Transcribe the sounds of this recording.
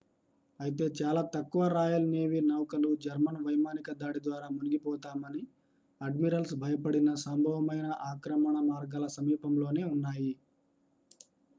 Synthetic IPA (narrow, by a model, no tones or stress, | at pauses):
ɐjit̪e̞ːt͡ʃaːlaːt̪ɐkːuʋɐɾaːjɐlne̞ːʋiːnɐwkɐlud͡ʒɐɾmɐnʋɐjmaːnikɐd̪aːɽid̪ʋaːɾaːmuniɡipɔːt̪aːmɐni | ɐɖmiɾɐlsbʱɐjɐpɐɽinɐsɐmbʱɐʋɐmɐjnɐʔaːkɾɐmɐɳɐmaːɾɡaːlɐsɐmiːpɐmlo̞ːne̞ːunːaːji